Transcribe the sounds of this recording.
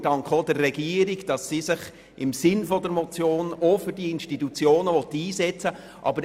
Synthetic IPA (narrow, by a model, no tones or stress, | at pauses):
d̥ɑŋkχodərːɛɡiːəɾiɡd̥ɑsːisɪχ | ɪmsɪnfɔdəɾmɔt͡sjoːnofʏɾdiɪnʃtitut͡sjoːnəʋɔt̪iːzɛt͡sə | ʔɑ̰bəɾ